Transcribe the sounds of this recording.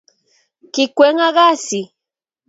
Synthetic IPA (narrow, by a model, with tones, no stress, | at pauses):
kɪkʷe˦ŋa˦ɢa˦si˨